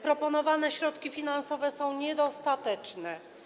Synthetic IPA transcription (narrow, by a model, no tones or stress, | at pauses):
pɾɔpɔnɔvanɛɕɾɔt̪kʲifʲinansɔvɛsɔ̃w̃ɲɛd̪ɔst̪at̪ɛt͡ʂnɛ